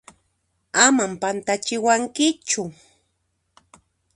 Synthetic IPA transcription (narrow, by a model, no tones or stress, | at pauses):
amampant̪at͡ʃɪwaŋkɪt͡ʃʊ